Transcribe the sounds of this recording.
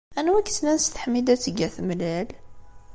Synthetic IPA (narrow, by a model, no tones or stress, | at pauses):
ʔænwækt̪nænst̪ħmid̪æt̪əɡæθmlæl